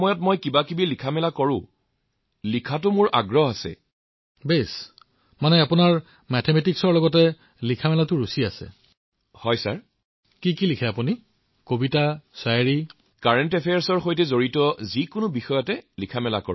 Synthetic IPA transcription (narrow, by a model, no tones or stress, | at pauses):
mɔjɔtmɔjkibakibilikʰamɛlakɔɹʊ̰̃ | likʰatʊmʊɹʔa̰ɡɹɔɦasɛ̰ | bes | manɛapunaɹ | mɛtʰemɛtiksɔɹlɔɡɔtɛ | likʰamɛlatʊɹusiasɛ̰ | hɔjsa̰ɹ | kikilikʰɛapuni | kobitasajɹi | kaɹɛntɛpʰejaɹsɔɹxojtɛzoɹitɔzikʊnʊbixɔjɔtɛlikʰamɛla̰kɔ̰